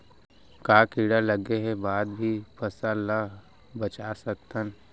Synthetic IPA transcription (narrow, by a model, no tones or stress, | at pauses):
kaːkiːɽaləɡeɦɛbaːd̪̚bʱipʰɐsala | bət͡ʃasək̚t̪ən